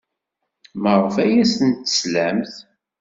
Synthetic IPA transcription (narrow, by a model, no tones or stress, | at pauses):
mərˤəfæjæsənt̪ːə̥slæmθ